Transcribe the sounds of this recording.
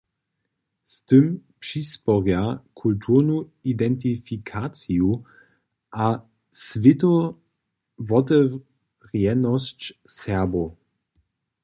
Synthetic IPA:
st̪ɨmpʂispɔʁjakʰultʰuʁnuidɛnt̬ifikʰat͡siu | ʔa | svɪtɔ | vɔt̪ɛ | ʁjɛnɔst͡ʃsɛɐbo

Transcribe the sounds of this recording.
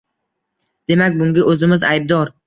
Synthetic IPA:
d̪̥e̞makʲbʊŋɡʲaʔɵzɪmɪzajb̚d̪ɒɾ

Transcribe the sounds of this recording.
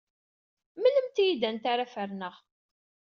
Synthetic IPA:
mələmt̪ijid̪ænt̪aɾafəɾnəʁ

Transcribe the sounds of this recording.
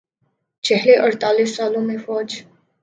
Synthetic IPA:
t͡ʃʰɛɦleʔəɾt̪aːlisːaːlõmefɔːd͡ʒ

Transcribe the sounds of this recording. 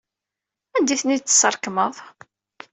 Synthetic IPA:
ænd̪iθnid̪̚t͡sːə̥səɾˤkməðˤ

